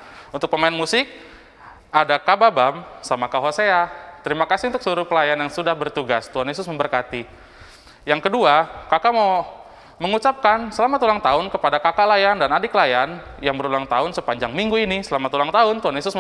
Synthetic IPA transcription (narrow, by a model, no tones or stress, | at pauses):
unt̪ʊk̚pəmaɪnmusɪk̚ | adakababamsamakaɦoseat̪əɾimakasint̪ʊk̚səluɾʊpəlajanjaŋsudahbərt̪uɡast̪uɦanjes̬ʊsməmbərkat̪i | jaŋkəduakakama | məŋut͡ʃap̚kansəlamat̪ulaŋt̪aʊnkəpadakakalajandanadikəlajan | jaŋbəɾulaŋt̪aʊnsəpaɲd͡ʒaŋmiŋɡuinisəlamat̪ulaŋt̪aʊnt̪uɦanjesʊs